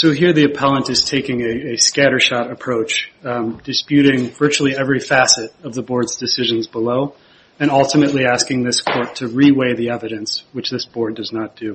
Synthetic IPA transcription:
soʊɦiɹðiɨpʰɛlˠə̃ntɨz̥tʰeɪkɪ̃ŋɨɨskæɾə˞ʃɑɾɨpʰɹ̥oʊt͡ʃd̥ɨspjʉɾɪ̃ŋvɜ˞t͡ʃul̩ˠiɛvɹifæsɨɾʌvðəbɔɹdzdɨsɪʒɨ̃nzbəloʊ | ɨ̃ñʌlˠtɨmɨtˡliæskɪ̃ŋðɪskʰɔɹtʰɨɹiweɪðiɛvɨɾɨ̃nswɨt͡ʃðɪsb̥ɔɹdʌznət̚d̥ʉ

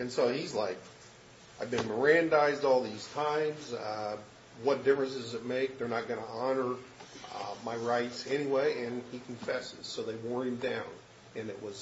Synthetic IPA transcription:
ɨ̃nsoʊizlaɪk | aɪvbɨ̃nmə˞æ̃ndaɪzdɔlˠðiz̥tʰãɪ̃mz | wʌt̚d̥ɪfɹɨ̃ns̬ɨzɨt̚meɪk̚ðə˞nət̚ɡ̥ʌnəɑnə˞ | maɪɹaɪtsɛñiweɪɨ̃nikʰɨ̃ɱfɛsɨ̰z̥soʊðeɪwɔɹɨ̃mdãʊ̃n | ɨ̃nɨ̰ʔ̚wʌz̥

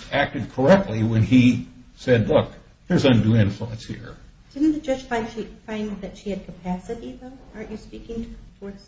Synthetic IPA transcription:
æk̚tɨd̚kʰə˞ɛk̚tʰˡliwə̃nisɛdˡlʊk | ðə˞zʌ̃ndʉɪ̃ɱfluə̰̃nshḭɹ | d̥ɪdⁿn̩ðɨd͡ʒʌ̥ʒfaɪdʃifãɪ̃nðɨtʃiɨd̚kʰəpʰæsɨɾiðoʊʔə˞t͡ʃɨspikɪ̃ŋtʰɨəfɔɹs

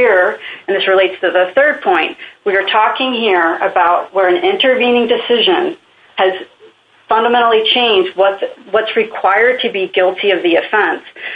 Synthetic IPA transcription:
ɹ̃nðɪsɹɨleɪtstʰɨðɨθɜ˞d̚pʰɔ̃ɪ̃nʔwiə˞tʰɔkɪ̃ŋhiɹɨbaʊt̚wə˞ɨ̃nɪ̃ntə˞vĩnɪ̃ŋdɨsɪʒɨ̃n | ɨz̥ | fʌ̃ndəmɛ̃ɾ̃l̩ˠit͡ʃʰẽɪ̃nd͡ʒd̚wʌtwʌtsɹɨkʰw̥aɪə˞d̚tʰɨbiɡɪlˠtʰiʌvðiɨfɛ̃ns

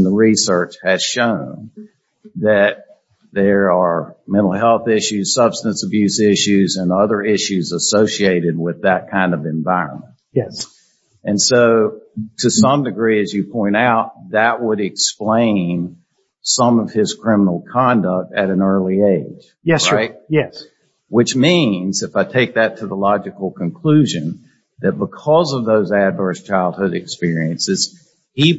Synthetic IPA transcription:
n̩ðəɹisɜ˞t͡ʃhɨz̥ʃõʊ̃n | ðɨt̪̚ | ðə˞ə˞mɛ̃ɾ̃l̩ˠɦɛlˠθɪʃʉz̥sʌb̥stɨ̃nsəbjʉzɪʃʉzɨ̃nʌðə˞ɪʃʉzəsoʊsieɪɾɨd̚wɪðɨt̚kʰãɪ̃ndʌvɨ̃ɱvaɪɹə̰̃nmə̃nt̚jɛ | ɨ̃nsoʊtʰɨsʌ̃mdɨɡɹiɨzjɨpʰɔ̃ɪ̃ɾ̃aʊt̪̚ðɨt̚wəɾɨksplẽɪ̃n | sʌ̃mʌv̥ɪz̥kʰɹ̥ɪ̃mənl̩ˠkʰɑ̃ndək̚tɨɾɨ̃nɜ˞lˠieɪd̥ʒ̥jɛsɹaɪt̚jɛs | wɨt͡ʃmĩnzɨfaɪtʰeɪk̚ðɨtʰɨðəlɑd͡ʒɨkl̩ˠkʰɨ̃nkʰl̥ʉʒɨ̃n | ðɨt̚b̥əkʰʌzʌvðoʊzædvɜ˞st͡ʃʰaɪlˠd̚hʊɾɨkspɪɹiɨ̃nsɨz̥ | i

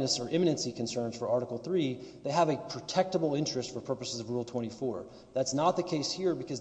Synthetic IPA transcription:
nɨsə˞ʔɪ̃mɨnɨ̃nsikʰɨ̃n̩sɜ̃˞nz̥fə˞ɑɹɾəkl̩ˠθɹiðeɪəvɨpʰɹ̥ɨtʰɛk̚təbl̩ˠɪ̃nt͡ʃɹ̥ɨstfə˞pʰɜ˞pəsɨzʌvɹulˠtʰw̥ɛ̃ɾ̃ifɔɹ | ðætsnət̪̚ðɨkʰeɪshiɹbɨkʰʌz

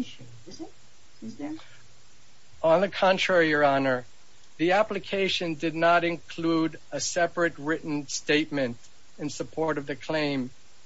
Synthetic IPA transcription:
ə̃nðɨkʰɑ̃ntʰɹ̥ɛɹiə˞ɑnə˞ | ðiæplɨkʰeɪʃɨ̃ndɨdⁿnəɾɨ̃nkʰl̥uɾ | əsɛpɹɨt̚ɹɪʔn̩steɪt̚mɨ̃nt | ɨ̃nsəpʰɔɹɾʌvðɨkʰl̥ẽɪ̃m

